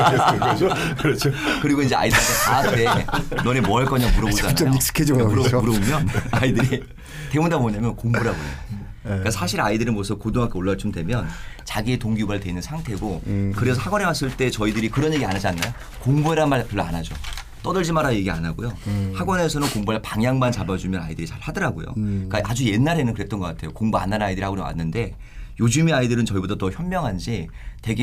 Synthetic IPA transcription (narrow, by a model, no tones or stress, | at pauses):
kɾʌt͡ɕʰokɯɾiɡoind͡ʑe̞a̰idɯɾatʰetaat͈ʰe̞nʌnemwʌaɭk͈ʌɲamuɾʌbod͡ʑanajoiks͈ɯ̥kʰed͡ʑiɡmuɾʌmuɾʌomjʌnaidɯɾi | te̞mundamoɲamjʌnkoŋbuɾaɡojo̰ | k͈asʰaɕʰiɾaidɯɾimwʌsʰʌkodoŋɦakʰeoɭːat͡ɕʰumdwe̞mjʌnt͡ɕaɡie̞toŋɡuɡaɭtwe̞nɯnsʰaŋtʰe̞ɡokɯɾe̞sʰʌhaɡwʌnewas͈ɯɭt͈e̞t͡ɕʌidɯɾikɯɾʌnjeɡianad͡ʑianːajo | koŋbueɾanmaɭpjʌɭːoa̰nad͡ʑo̰ | t͈ʌdɯɭd͡ʑimaɾaje̞ɡia̰naɡojohaɡwʌne̞sʰʌnɯnkoŋbuapaŋjaŋmant͡ɕabad͡ʑumjʌna̰idɯɾit͡ɕaɭhadʌɾaɡo̰jo̰k͈aʔad͡ʑuje̞nːaɾe̞nɯnkɯɾet͈ʌnɡʌk͈atʰe̞jokoŋbua̰nːannaidɯɾihaɡoɾewa̰nːɯnde̞ | jod͡ʑumiaidɯɾɯnt͡ɕʌibodatʌçjʌmːjʌŋɦand͡ʑi | te̞ɡe